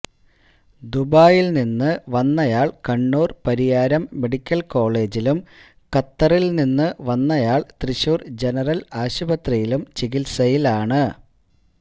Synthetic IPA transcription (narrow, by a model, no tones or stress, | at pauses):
d̪ubaːjilninːɨʋɐnːɐjaːɭkɐɳːuːrpɐɾijaːɾɐmːe̞ɽikʲːɐlko̞ːɭe̞ːd͡ʑilum | kɐt̪ːɐrilninːɨʋɐnːɐjaːɭt̪riɕuːrd͡ʑe̞nɐrɐlaːɕubɐt̪rɐjilumt͡ɕiɣilsɐjilaːɳɨ